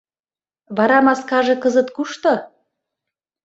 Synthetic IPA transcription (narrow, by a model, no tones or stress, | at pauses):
βɑɾɑmɑskɑʒĕkɤzə̆t̪kuʃt̪o